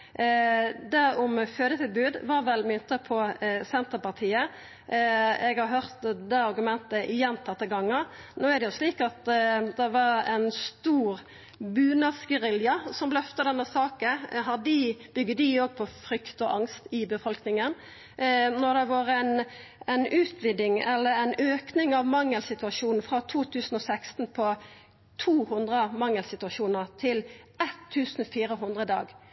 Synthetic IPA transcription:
d̪æɾɔmføːd̪ət̪ʰɪlbʉːd̪ʋɑɾʋɛlmʏnt̪əpʰɔsɛnt̪əpɑʁt̪ʰiːə | ɛɡhɑɾɦøːʁt̪d̪ɛɑɾɡʉmɛnt̪əʔɪjɛnt̪ʰɑt̪ːəɡɑŋːəɾ | noːæɾd̪ɛjʊsliːkɑt̪d̪ɛʋɑɾɛnst̪uːɾ | bʉːnɑʁsɡəɾɪljɑsɔmblɛœft̪əd̪ɛnːəsɑːkənɦɑd̪ɪb̥ʏɡːəd̪ɪoːɡ̚pʰɔfɾʏkt̪ɔʔɑŋst̪ɪbəfɔlknɪŋən | nɔʁd̪ɛʋɑːɾəɛnɛnʉːt̪ʰʋɪd̪ɪŋɛlːəɾɛnøːknɪŋɑʋmɑŋːəlsɪt̪ʉɑʃuːnn̩fɾɑt̪ʰuːt̪ʰʉːsn̩ɔsæɪkst̪n̩pʰɔ | t̪ʰuːhʉnd̪ʁəmɑŋəlsɪt̪ʉɑʃuːnəʁt̪ʰɪl | ɛt̪ʰːʉːsn̩fiːɾəɦʉnd̪ʁəd̪ɑ̰ːɡ

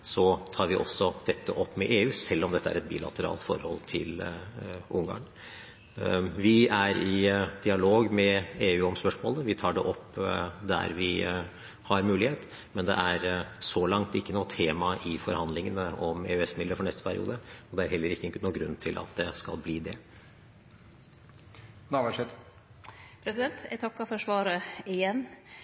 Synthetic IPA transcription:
sɔt̪ʰɑːɾʋɪʔɔsːɔd̪̥ɛt̪ːəʔɔpːmɛʔeːʉːsɛlːɔmd̪ɛt̪ːəæ̰ɾɛt̪̚bḭːlɑ̰t̪əɾɑ̰ːlt̪fɔɾhɔlt̪ʰɪ̰l | ʔʊŋɡɑ̰ːɳ | ʋɪæɾɪd̪ɪɑloːɡmɛeːʉːɔmspœʂmoːləʋɪt̪ʰɑːɖɛʔɔpːd̪æ̰ɾʋɪ | hɑɾmʉːlɪheːt̪ | mɛnd̪ɛ̰ʔæɾsɔlɑŋt̪ɪkːənuːt̪ʰeːmɑʔɪfɔɾhɑnd̪lɪŋənəʔɔmḛːœɛsmɪd̪əɾfɔɳɛst̪ə̥pʰæɾɪ̰ʔṵːd̪əɔd̪ɛæɾhɛlːəɾɪkːənuːɡɾʉ̰nːt̪ʰɪlʔɑ̰t̪d̪ɛskɑ̰lbliːd̪ɛ | nɑʋæʂɛt̪ | pʰɾɛsɪd̪ɛnt̪ʰɛ̰t̪ʰɑkːɑfɔʂʋɑːɾəɪjɛnː

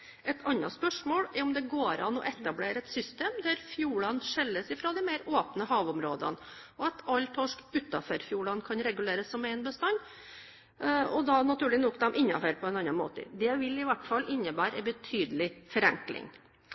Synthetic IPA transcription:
ʔɛt̪ʰɑnːɑspœʂmoːɽɛɾɔmd̪ɛɡoːɾɑ̰nɔ̰ʔɛt̪ɑbleːɾəɛt̪sʏst̪eːmd̪æɾfjuːɭɑnʂɛlːəsɪfɾɔːd̪ɪmeɪɾoːpnəhɑːʋɔmɾoːd̪ə̰n | ɔɑt̪ʰɑlt̪ʰɔʂkʉt̪ɑføːɾfjuːɭɑnkʰɑnɾɛɡʉleːɾəsːɔmæɪnbəst̪ɑnː | ɔd̪ɑnɑt̪ʉːlɪnɔkd̪ɑmʔɪnːɑ̰føːɾpʰɔɛnɑnːɑnmo̰ːt̪ə̰d̪ɛʋɪlɪʋæʈfɑlːʔɪnːəbæːɾɛbət̪ʰyːd̪əlɪfɔɾɛŋklɪ̰ŋ

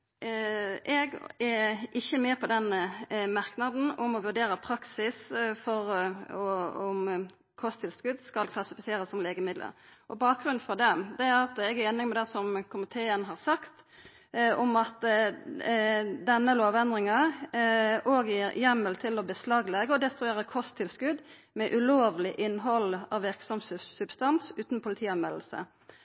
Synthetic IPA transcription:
ʔɛɡɛʔɪçːəmeːpʰɔd̪ɛnmɑɾknɑd̪n̩ɔmɔʋʉɾdɖeːɾəpʰɾɑksɪsfɔɾɔɔm | kʰɔst̪ʰɪlskʉd̪skɑlkʰlɑsɪfɪseːɾəsɔmleːɡəmɪd̪lə̰ɾʔɔbɑːk̚ɡɾʉnfɔd̪ɛmd̪ɛæɾɑt̪ɛɡæɾeːnɪŋmɛd̪ɛsɔmkʰʊmɪt̪ʰeːənɦɑʁsɑkt̪ | ɔmɑt̪ | d̪ɛnːəloːʋɛnd̪ɾɪŋɑ | oːɡjiːɾjɛmːəlt̪ʰɪlɔbəslɑːɡlɛɡəɔd̪ɛst̪ɾʉeːɾəkʰɔst̪ʰːɪlskʉd̪ | mɛʔʉloːʋlɪʔɪnːɦɔlɑ̰ːʋɪʁksɔmssʉbst̪ɑnsʉːt̪npʰʊlɪt̪ʰiːɑnmɛll̩sə̰

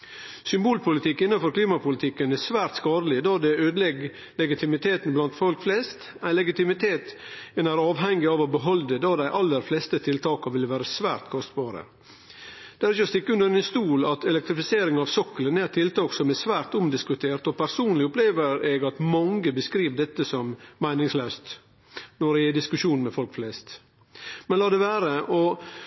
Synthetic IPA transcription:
sʏmbuːlpʰʊlɪt̪ʰɪkːɪnːɑnfɔɾkʰliːmɑpʰʊlɪt̪ʰɪkːənæsʋæːɾt̪skɑːɾəlɪd̪ɑːd̪ɛøːd̪əlɛɡ | lɛɡɪt̪ʰɪmɪt̪ʰeːt̪n̩blɑnt̪fɔlkflɛst̪ | æɪlɛɡɪt̪ɪmɪt̪ʰeːt̪ɛnæɾɑːʋɦɛŋɡɪɑːʋobəɦɔld̪əd̪ɑːd̪æɪʔɑlːəɾflɛst̪ət̪ʰɪlt̪ʰɑːkɑʋɪlʋæːɾəsʋæ̰ːɾt̪kʰɔst̪bɑːɾə̰ | d̪̥ɛæɾɪçəɔst̪ɪkːəʉnd̪əɾæɪnst̪uːlɑt̪ɛlɛk̚t̪ɾɪfɪseːɾɪŋɑʋsɔkːələnæt̪ʰɪlt̪ɑːksɔmɛsʋæːɾt̪ʊmd̪ɪskʉt̪ʰeːɾt̪ɔpʰæɾsuːnlɪʊpleːʋəɾeɡɑt̪mɑŋɡəbəskɾiːʋd̪ɛt̪ːəsɔmmæɪnɪŋsløːst̪ | nɔɾɪd̪ɪskʉʂuːnmɛfɔlkflɛst̪ | mɛnlɑːd̪ɛʋæːɾəʔɔ

